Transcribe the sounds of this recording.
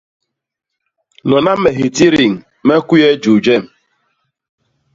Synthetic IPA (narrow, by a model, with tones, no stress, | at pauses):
nɔ˨na˦m̩˦me˨ɦi˨ti˦ɾi˨ŋ̩˨ | me˦ku˦je˦d͡ʒu˨d͡ʒe˦˨m̩˨